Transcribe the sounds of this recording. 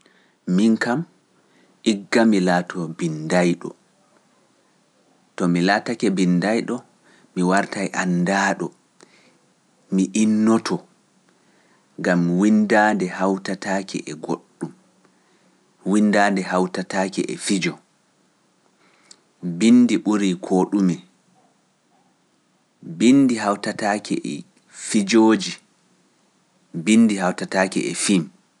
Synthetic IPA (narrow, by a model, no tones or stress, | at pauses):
miŋkam | ʔiɡːamilaːtʰɔbindajɗɔ̰ | tɔmilatakɛbindajɗɔ | miwaɾtajʔandaːɗɔ | miʔinːɔtʰɔ | ŋɡamwindadɛhawtatakɛ̰ʔɛɡoɗːum | windaːndɛhawtataːkɛ̰ʔɛ̰fid͡ʒɔ | bindiɓuɾikʰoːɗumɛ | bindiɦawtataːkʰɛ̰ʔɛ̰ | fid͡ʒoːd͡ʒi | binːdiɦawtataːkɛ̰ɛ̰fim